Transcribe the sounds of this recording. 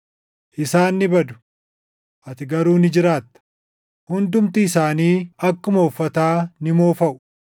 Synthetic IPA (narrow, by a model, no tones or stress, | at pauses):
ʔɪsaːnːɪbɐd̪ʊ̥ | ʔɐt̪ɪɡɐɾuːnɪd͡ʒɪɾaːt̪ːɐ̥ | hʊnd̪ʊmt̪ɪːsaːniːɐkːʊmo̞ːfːɐt̪aːnɪmo̞ːfɐʔʊ̥